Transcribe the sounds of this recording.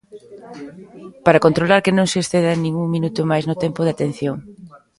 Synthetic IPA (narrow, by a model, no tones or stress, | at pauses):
paɾakont̪ɾolaɾkɪnõŋsɪeːsθeðanĩŋuŋminut̪ʊmajznʊt̪ɛmpʊðɪat̪en̟θjoŋ